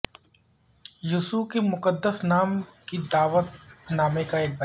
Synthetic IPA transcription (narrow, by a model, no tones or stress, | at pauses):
jʊsukemʊqəd̪ːəsnaːmkid̪aːʋət̪̚naːmekaeːk̚bɐ